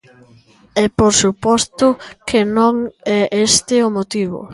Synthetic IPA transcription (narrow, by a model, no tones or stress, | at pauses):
ɛpoɾsupɔst̪ʊkʰenõŋɛʔest̪ɪʊmot̪iβʊ̰